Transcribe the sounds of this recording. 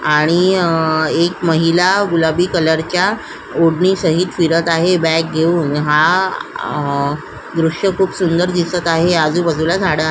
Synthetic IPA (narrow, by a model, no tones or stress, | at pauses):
aɽ̃i | ekməɦilaɡulabiːkələɾt͡ɕja | oɽɳiːsəɦiːt̪fiɾət̪aɦebæk̚ɡʱeuːnɦa | ɡɾuʂəkʰuːpsund̪əɾd̪isət̪aɦead͡zuːbəd͡zulad͡zʱaɽəaɦe